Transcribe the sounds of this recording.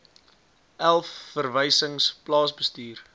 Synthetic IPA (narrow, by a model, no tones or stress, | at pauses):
ʔælˠfːərvəjsəŋsplɑːsbəstyːr